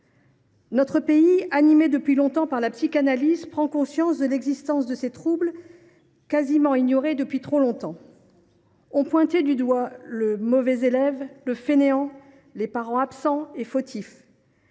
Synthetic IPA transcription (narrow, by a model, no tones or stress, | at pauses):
nɔt̪χəpeianimed̪əpɥilɔ̃t̪ɑ̃paʁlapsikanalizpχɑ̃kɔ̃sjɑ̃sd̪əlɛɡzist̪ɑ̃sd̪əset̪χubl | kazimɑ̃iɲɔʁed̪əpɥit̪χolɔ̃t̪ɑ̃ | ɔ̃pwɛ̃t̪ed̪yd̪waləmɔvɛzelɛvləfeneɑ̃ | lepaʁɑ̃apsɑ̃efot̪ʰif